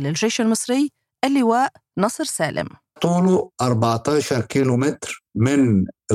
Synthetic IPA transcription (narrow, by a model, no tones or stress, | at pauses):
lɪlʒeːʃalmɨsˤɾɪjː | ʔalːɪwaːʔnɑsˤɾsaːlʔɪ̰m | t̪ˤuːluʔɑɾˤbɑʕt̪aːʃɑɾˤkiːlumɪt̪ɾmɪn